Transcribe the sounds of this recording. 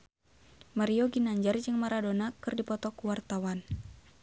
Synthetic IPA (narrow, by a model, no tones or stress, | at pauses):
maɾioɡinaɲd͡ʒard͡ʒɨŋmaɾadonakɨrdipɔt̪ɔkuwart̪awan